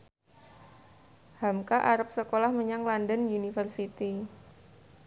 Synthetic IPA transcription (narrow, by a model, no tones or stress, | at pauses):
hamkaʔaɾəp̚səkolahməɲaŋlandənjunifərsit̪i